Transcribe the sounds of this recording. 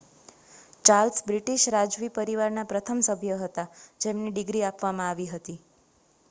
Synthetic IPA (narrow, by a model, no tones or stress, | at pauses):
t͡ʃaɾlsbɾiʈiʃɾad͡ʒʋipəɾiʋaɾnapɾət̪ʰəmsəbʱjəɦət̪ad͡ʒemniɖɪɡɾiapʋamãaʋiɦət̪i